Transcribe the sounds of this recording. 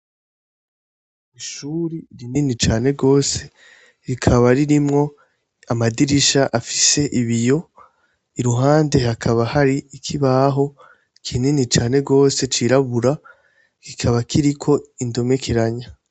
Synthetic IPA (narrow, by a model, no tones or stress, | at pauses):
iʃuːɾiɾininit͡ʃaːne̞ɾɡo̞ːse̞̥ | ɾikʰaβaɾiɾimŋo̞ | amadiɾiʃaʔafi̥se̞ʔiβijo̞ | iɾuɦaːnde̞hakʰaβahaɾiikʰiβaɦo̞ | ikʰininit͡ʃaːne̞ɾɡo̞ːse̞t͡ʃiɾaβuɾa | kikʰaβakʰiɾikʰo̞indo̞me̞kʰeɾaɲa